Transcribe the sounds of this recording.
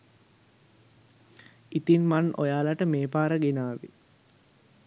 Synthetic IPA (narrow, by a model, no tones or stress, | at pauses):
it̪inmano̰jaːlaʈəmeːpaːɾəɡenaːʋḭ